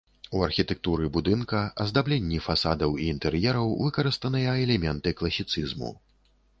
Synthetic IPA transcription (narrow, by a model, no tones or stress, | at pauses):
uɐrxʲit̪ɛk̚t̪uɾɨbud̪ɨnkɐɐzd̪ablʲɛnʲːifasad̪ɐwiːnt̪ɛɾjɛɾɐwvɨkɐɾɨst̪ɐnɨjɐɛlʲɛmʲɛnt̪ɨklˠɐsʲːit̪sɨzmṵ